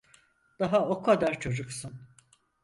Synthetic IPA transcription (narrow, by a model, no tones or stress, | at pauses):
d̪̥aɦao̞kʰad̪aɾt͡ʃʰo̞d͡ʒuksɯn